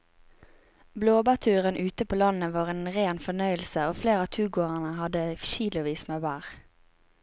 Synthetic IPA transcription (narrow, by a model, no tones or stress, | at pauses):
bloːbæːt̪ʰʉːʁənʔʉːt̪əpʰoːlɑnəʋɑːʁeːnʁeːnfɔnœʏəlsəoːfleːʁɑːt̪ʰʉːɡoːʁənəhɑd̪əʃiːlʊʋiːsmebæːʁ